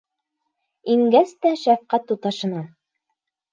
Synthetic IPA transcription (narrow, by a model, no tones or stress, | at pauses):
iŋɡæst̪æʃæfqæt̪ːut̪ɑʃɤ̆nɑ